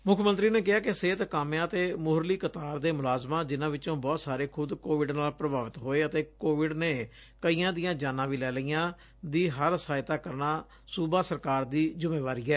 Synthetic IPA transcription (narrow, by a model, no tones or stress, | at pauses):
mʊkʰːmənt̪ɾiːneːk̬ɪɦaːkɪseːt̪kaːmjãːət̪eːmʊɦɾliːkət̪aːɾd̪eːmʊlaːzmãːd͡ʒɪnãːʋɪt͡ʃõːbɔːt̪saːɾeːkʰʊd̪koːʋɪɖnaːlpɾəbaːʋɪt̪ɦoːeːət̪eːkoːʋɪɖneː | kəiːãːd̪ɪjãːd͡ʒaːnãːʋiːlɛːləijãː | d̪iːɦəɾəsaːɪt̪aːkəɾnaː | suːbaːsəɾkaːɾd̪iːzʊmeːʋaːɾiːɛː